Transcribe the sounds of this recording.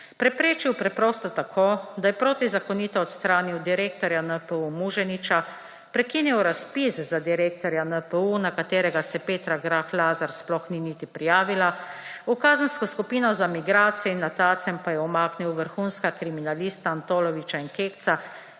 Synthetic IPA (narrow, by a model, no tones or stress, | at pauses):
pɾɛpɾeːt͡ʃiwpɾɛpɾɔːst̪ɔt̪akʰoːd̪ajɛpɾoːt̪izakɔniːt̪ɔɔt̪st̪ɾaːniwd̪iɾeːk̚t̪ɔɾjanəpəumuʒɛnit͡ʃa | pɾɛkiːniwɾaspiszad̪iɾeːk̚t̪ɔɾjanəpəunakat̪eːɾɛɡasɛpeːt̪ɾaɡɾaxlaːzaɾsplɔxniniːt̪ipɾijaːʋilaukaːzənskɔskupiːnɔzamiɡɾaːt̪sijɛinːat̪aːt̪sɛmpajɛɔmaːkniwʋəɾxunskakɾiminaliːst̪aːnt̪oːlɔʋit͡ʃainkeːkt̪sa